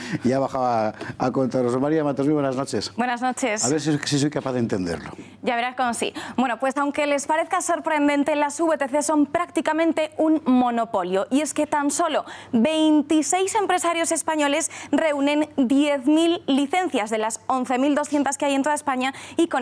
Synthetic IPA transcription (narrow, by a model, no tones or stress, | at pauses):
ʝaβaxaβaakont̪aɾos̬omaɾiamat̪oziβwenaznot͡ʃesbwe̞nazno̞t͡ʃe̞saβeɾs̬sis̬ojkapaðent̪end̪eɾlo | ɟ͡ʝaβe̞ɾaskomosḭbwe̞no̞pwesawŋke̞le̞spaɾeθkaso̞ɾpɾẽ̞nd̪e̞nt̪e̞lasuβe̞t̪e̞θeso̞mpɾak̚t̪ikamẽnt̪e̞unmo̞no̞po̞ljo̞ʔie̞ske̞t̪anso̞lo̞be̞jnt̪ise̞jse̞mpɾe̞saɾjo̞se̞spaɲo̞le̞sre̞unẽ̞nd̪jeθmilːiθẽ̞n̟θjazðe̞laso̞nθe̞mild̪o̞sθje̞nt̪askeajent̪o̞ðaespaɲaiko